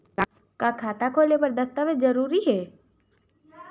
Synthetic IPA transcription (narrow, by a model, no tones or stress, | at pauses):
kakʰaːt̪akʰoːlepɐɾd̪əst̪aʋezəɾuːɾiɦɛː